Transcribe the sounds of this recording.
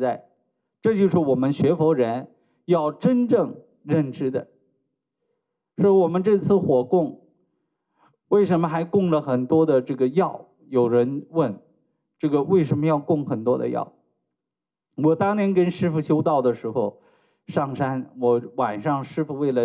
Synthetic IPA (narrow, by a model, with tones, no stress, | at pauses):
t͡sa˥˩ɪ | ʈ͡ʂɤ˥˧t͡ɕjo˥˧ʊʂɻ̩˥˩wɔ˨˩mə˦nɕɥɛ˧˥fɔ˧˥ɻə˧˥n | jɑ˥˩ʊʈ͡ʂə˥nʈ͡ʂɤ˥˧ŋ | ɻə˥˩nʈ͡ʂɻ̩˥d̪ə̰˨ | ʂɔ˧˥wɔ˨˩mə˧˦nʈ͡ʂɤ˥˧t͡sʰɹ̩˥˩xwɔ˨˩kʊ˥˩ŋ | we˥˩ɪʂə˧˥nmə˧xa˧˥ɪkʊ˥˩ŋlə˩xə˨˩nt̪wɔ˥d̪ə˨ʈ͡ʂɤ˥˩ɡə˩jɑ˥˩ʊ | jo˨˩ʊɻə˧˥nwə˥˩n | ʈ͡ʂɤ˥˩ɡə˩we˥˩ɪʂə˧˥nmə˧jɑ˥˧ʊkʊ˥˩ŋxə˨˩nt̪wɔ̰˥d̪ə̰˧jɑ̰˥˩ʊ | wɔ˨˩t̪ɑ˥ŋnjɛ˧˥nkə˥nʂɻ̩˥fu˧˩ɕjo˥ʊt̪ɑ˥˩ʊd̪ə˩ʂɻ̩˧˥xo˧ʊ | ʂɑ˥˩ŋʂa˥nwɔ˧˥wa˨˩nʂɑ˥˧ŋʂɻ̩˥fu˨˩we˥˩ɪlə˩